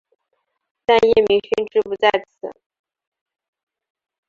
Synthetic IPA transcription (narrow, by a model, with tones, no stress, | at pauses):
t̪a˥˧njɛ˥˩mi˧˥ɕi˥nʈ͡ʂɻ̩˥pu˧˥t͡sa˥˩ɪt͡s̩ʰ˨˧˦